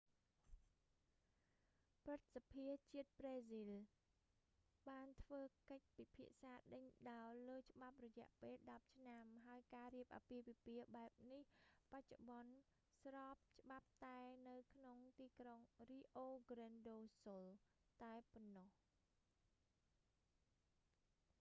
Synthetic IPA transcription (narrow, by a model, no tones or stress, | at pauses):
prɨt̪̚sapʰiət͡ɕiət̪̚preːzil | ɓaːnt̪ʰʋəːkəc̚pipʰiəʔsaːɗəɲɗaɔləːt͡ɕə̆ɓap̚rɔjɛ̆əʔpeːlɗɑp̚t͡ɕʰnamɦaəjkaːriəp̚ʔa̰piəʋipiəɓaɛp̚nihpac̚t͡ɕoɓɑn | srɑːp̚t͡ɕə̆ɓap̚t̪aɛnɨwkʰnoŋt̪iːkroŋriːʔoːɡrɛnɗoːsolt̪aɛponːɔh